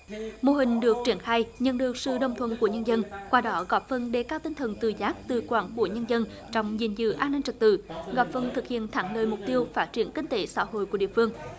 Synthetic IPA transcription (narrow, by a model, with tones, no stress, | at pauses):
mo˧˩ɦï˨˩ŋ̟ɗɨ˨˩ək̚t͡ɕi˧˩ənxaː˧jɲə̰˧˨nɗɨ˨˩ək̚sɨ̰˧˨ɗə̰˨˩wŋ͡mt̪ʰwə̰˧˨nku˧˩əɲə˧nzə˧nkwaː˧ɗɔ˨˦ɣɔ˨˩p̚fə˧nɗe˨˩kaː˧wt̪ï˧ŋ̟t̪ʰə˨˩nt̪ɨ˨˩zaː˦˥k̚t̪ɨ˨˩kwaː˧˩nku˧˩əɲə˧nzə˧n | t͡ɕɔ˧wŋ͡mzḭ˧˩nzɨ̰˧˨ʔaː˧nːï˧ŋ̟t͡ɕɨ˨˩k̚t̪ɨ̰˧˨ɣɔ˨˩p̚fə˧˩nt̪ʰɨ˨˩k̚hḭ˧˨ənt̪ʰaː˧˩ŋləː˨˩jmʊ˨˩k͡p̚t̪i˧əwfaː˦˥t̚t͡ɕi˧˩ənkï˧ŋ̟t̪e˨˦sa̰ː˧˥ɦo̰˧˨jku˧˩ɗḭ˧˨əfɨ˧əŋ